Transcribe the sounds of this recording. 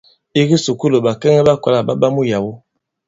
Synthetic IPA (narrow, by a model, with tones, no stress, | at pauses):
i˦ɡi˦su˨ku˦lo˨ɓa˨kɛ˦ŋɛ˦ɓa˦ka˨la˦˨ɓa˦ɓa˦mu˦ja˨wu˦